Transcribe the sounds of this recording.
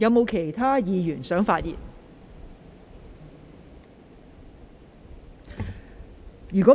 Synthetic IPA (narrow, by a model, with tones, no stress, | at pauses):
jɐ˨˧wmo˨˧wkʰe˨˩jt̪ʰaː˥jiː˨˧jyː˨˩nsœː˨˥ŋfaː˧t̚jḭː˨n | jyː˨˩kʷɔ˨˦˥